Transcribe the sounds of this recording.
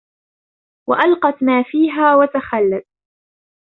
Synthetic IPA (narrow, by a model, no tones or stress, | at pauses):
wa̰ʔalqɑt̪maːfiːɦaːwat̪axalːat̪̚